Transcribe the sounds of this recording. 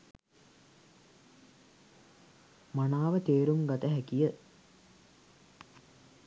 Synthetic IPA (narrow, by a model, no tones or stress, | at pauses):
manaːʋət̪eːɾumɡat̪əɦækijə